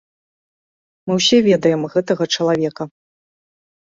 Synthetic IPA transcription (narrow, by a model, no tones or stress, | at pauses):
mɨwsʲɛvʲɛd̪ɐjɛmɣɛt̪ɐɣɐt͡ʂɐlˠavʲɛkɐ